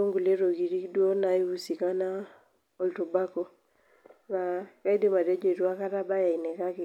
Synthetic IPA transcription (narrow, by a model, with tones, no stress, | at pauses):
o˦ŋɡu˨le˦ɾo˨ɡi˨ɾi˦kdwo˦na˨i˦u˦si˨ka˦na˦ | o˨lto˨ba˦ko˨ | ka˨ka˦i˦de˦ma˨ɾe˦d͡ʒo˦i˨ɾu˦a˦ka˦ɾa˦ba˦ja˨i˨ne˨ka˦kɪ˨